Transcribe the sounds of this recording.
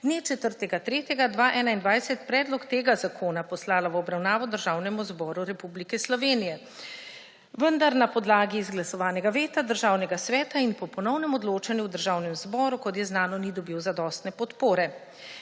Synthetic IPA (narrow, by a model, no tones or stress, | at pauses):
d̪net͡ʃɛt̪əɾt̪ɛɡat̪ɾeːt̪jɛɡad̪ʋaːʔɛːnaind̪ʋajsɛt̪pɾɛːd̪lɔkt̪eːɡazakʰoːnapɔslaːlawɔbɾawnaːʋɔd̪əɾʒaːwnɛmuzbɔːɾuɾɛpublikɛslɔʋeːnijɛ | ʋənd̪aɾnapɔd̪laːɡiːzɡlasɔʋaːnɛɡaʋeːt̪ad̪əɾʒaːwnɛɡasʋɛːt̪ainpɔpɔnɔwnɛmɔd̪loːt͡ʃanjuwd̪əɾʒawnɛmzbɔːɾukɔt̪̬jɛznaːnɔnid̪ɔbiwzad̪ɔːst̪nɛpɔt̪poːɾɛ